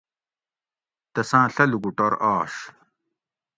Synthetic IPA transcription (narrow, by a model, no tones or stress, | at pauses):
t̪ɐsãːɬɐluɡuʈɐɾʔaːʂ